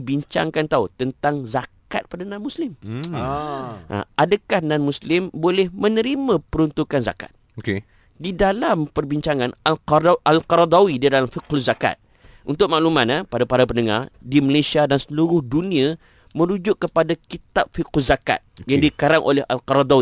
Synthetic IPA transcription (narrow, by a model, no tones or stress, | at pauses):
ibiɲt͡ʃa̰ŋkant̪aut̪ənt̪aŋzaka̰t̪̚padanãnmuslɪm | ʔa̰ʔadəkahnãnmuslɪmbolɛhmə̃nəɾimãpəɾunt̪ukanza̰ka̰t̪̚ | oke | didalampərbiɲt͡ʃaŋãnalʔalqɔɾad̪awididalamfiqʊzaka̰t̪̚ | ʔunt̪ʊk̚maʔlumanapadapaɾapəndəŋa̰rdiməlesiadansəluɾʊhdunĩa | mə̃ɾud͡ʒʊʔkːəpadakit̪ap̚fiquzaka̰t̪̚jaŋdikaɾaŋʔo̰lɛɦa̰lqɔɾad̪awi